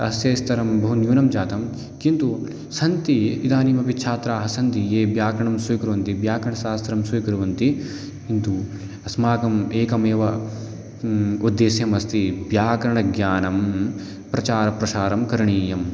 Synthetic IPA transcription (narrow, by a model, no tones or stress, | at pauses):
ɐsjɐjst̪ʰɐɾɐmbɐɦunjuːnɐmd͡ʒaːt̪ɐm | kint̪u | sɐnt̪iid̪aːniːmɐpitːt͡ʃʰaːt̪ɾaːɦɐsɐnt̪ijeːbjaːkɾɐɳɐmsujkɾuʋɐnt̪ibjaːkɾɐɳɐsaːst̪ʰɐɾɐmsujkɾuʋɐnt̪i | int̪u | ɐsmaːkɐmeːkɐmeːʋɐ | ud̪ːeːsjɐmɐst̪ibjaːkɐɾɐɳɐɡjaːnɐm | pɾɐt͡ʃaːɾɐpɾɐʃaːɾɐmkɐɾɐɳiːjɐm